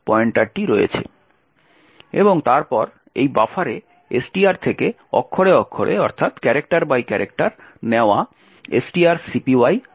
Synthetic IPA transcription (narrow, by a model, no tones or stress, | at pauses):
pɔeɳʈaɖ̚ʈiɾojḛt͡ɕʰḛ | eboŋt̪aɾpɔɾ | ejbafʰaɾe | esʈiaɾt̪ʰeke | ɔ̰kʰːoɽeɔkʰːoɽʔḛɔɾt̪ʰat̪kɛɾek̚ʈaɾbajkɛɾʔek̚ʈaɾneoa | esʈiaɾsipiwaj